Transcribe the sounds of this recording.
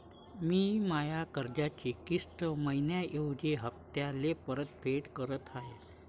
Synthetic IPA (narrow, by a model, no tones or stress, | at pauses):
miːmajakəɾd͡ʑat͡ɕikisʈ̪əməinjaʔewd͡ʑeɦəpt̪jalepəɾət̪pʰeʈkəɾət̪ʰaɦet̪